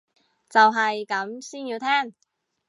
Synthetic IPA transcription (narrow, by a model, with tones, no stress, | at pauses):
t͡sɐ˨wɦɐ˨jkɐ˨˥msiː˥njiː˧wt̪ʰɛː˥˩ŋ